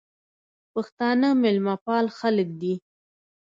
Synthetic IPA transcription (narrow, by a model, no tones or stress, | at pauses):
paxt̪ɑnəmɪlmɑpɑlxaləkd̪i